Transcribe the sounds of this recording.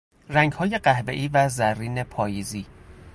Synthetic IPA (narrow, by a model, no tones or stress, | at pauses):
ræŋɡhɒːje̞ɢæhbḛʔiːvæzærːiːne̞pʰɒːjiziː